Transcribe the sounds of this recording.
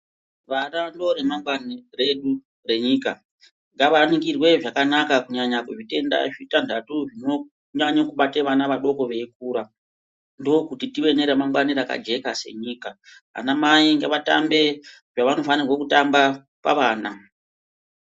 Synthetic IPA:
ʋarando̞ɾe̞maŋɡwanire̞ɗu | re̞ɲiːka | ŋɡaʋanikirwe̞ʐakanakakuɲaɲakuʐite̞nda̰ʐitandatuʐino̞ | ɲaɲokuɓateʋanaʋaɗo̞ko̞ʋe̞k̚uːɾa | ndookutitiʋe̞ne̞ɾemaŋɡwaniɾaka̰d͡ʒe̞kase̞̰ɲiːka | a̰namaiŋɡeʋata̰mbe̞ | ʐaʋano̞fanirwokutamba | pa̰ʋaːna

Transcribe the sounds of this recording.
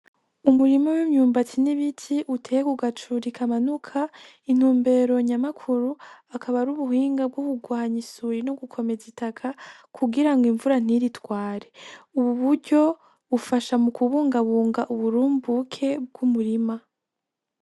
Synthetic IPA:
umuɾimawimɲuːmbatiniβitʰiʔutʰejekuɡat͡ʃuɾikʰamanukʰa | in̥huːmbe̞ːɾo̞ɲamakʰuɾuakʰaβaɾuβuhiːŋɡab̚ɡokuɡwaːɲisuɾino̞ɡukʰo̞me̞zitakʰakʰuɡiɾaŋɡiɱvuɾan̥iɾitwaːɾe̞uβuβuɾɟo̞ | ufaʃamukuβuːŋɡaβuːŋɡaʔuβuɾuːmbukʰe̞b̚ɡumuɾima

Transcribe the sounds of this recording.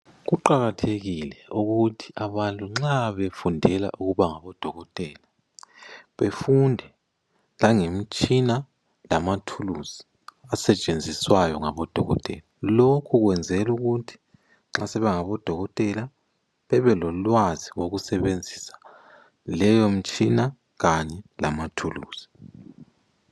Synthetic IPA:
ɣuǃaɣatʰeɣilɛuɣutʰi̥aβantʼuŋ͡ǁaβefundʱɛla̰ʔuɣuβaŋaβɔd̥ʱɔɣɔtʼɛːla | βefundʱɛ | laŋem̩t͡ʃʼina | lamatʰuluz̥i̥ | asɛt͡ʃʼend͡zʱiswajɔŋaβɔd̥ʱɔɣɔ̰tʼɛ̰lalokʰuɣwɛnd͡zʱɛluɣutʰi̥ | ŋ͡ǁasɛβɛŋaβɔd̥ʱɔɣɔtʼɛla | βɛβɛlɔlwaziwoɣusɛβend͡zʱisḁ | lɛjom̩t͡ʃʼina | ɣaɲɛlamatʰulṵːz̥i̥

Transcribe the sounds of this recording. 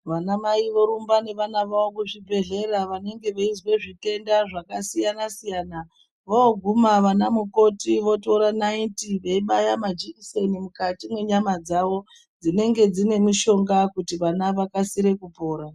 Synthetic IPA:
ʋanamaiʋo̞ɾumbane̞ʋanaʋaokuʐibʱe̞ɮe̞ɾaʋane̞ŋɡe̞ʋeizwe̞ʐite̞ndaʐakasijanasijaːna | ʋooɡʱumaʋanamuko̞tiʋo̞to̞ɾanaintiʋeiɓajamad͡ʒiisenimukatimwe̞ɲamad͡zaʋo̞ | d͡zine̞ŋɡe̞d͡zine̞miʃo̞ŋɡakutiʋanaʋakasiɾe̞kupo̞ːɾa

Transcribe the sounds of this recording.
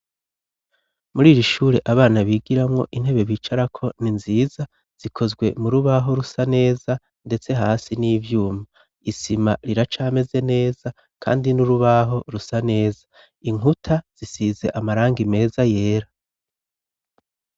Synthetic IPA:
muɾiːɾiʃuːɾeʔaβaːnaβiːɡiɾamŋo̞̰ʔin̥he̞βe̞βiːt͡ʃaɾakʰo̞ninziːza | z̥ikʰo̞zɡwe̞muɾuβaɦo̞ɾusane̞ːza | nde̞t͡se̞ɦaːsiniːvjuːma | isimaɾiɾat͡ʃaːme̞ze̞ne̞ːz̥a | kʰa̰ːndinuɾuβaɦo̞ɾusane̞ːza | iŋutʰaz̥isiːze̞̰ʔamaɾaːŋɡime̞ːzaje̞ːɾa

